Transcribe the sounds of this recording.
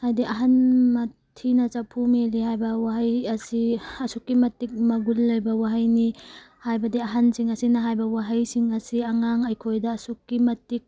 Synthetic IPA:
hajdiʔaɦanmɐtʰinɐt͡ʃapʰumelihajbɐwaɦajɐsiɐsukːimɐtːik̚mɐɡulːɐjbɐwaɦajni | hajbɐdiaɦansiŋɐsinɐɦajbɐwaɦɐjsiŋɐsiaŋaŋɐjkʰojdɐːsukːimɐtːik̚

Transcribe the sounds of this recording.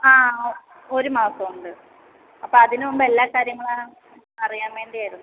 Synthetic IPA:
aː | oɾumaːsɐmuɳɖɨ | ɐpːoːɐðinɨombɐelːaːkaːɾjɐŋːɐɭa | ɐrijaːnʋe̞ːɳɖiɐjɾunː

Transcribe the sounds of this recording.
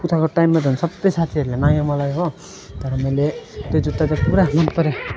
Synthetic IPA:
put̪ʰakoʈajmːad͡zʌnsʌbtʌjsat̪ʰiɦʌɾulenãjamʌlajɦo | t̪ʌɾʌmʌjlet̪ojd͡zut̪ːad͡zapuɾamʌnpʌɾe

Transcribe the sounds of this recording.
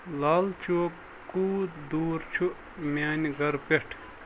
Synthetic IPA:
laːlt͡ʃʰuːkː | uːd̪uːɾt͡ʃʰuʔ | mʲaːnɡɐɾpeʈʰ

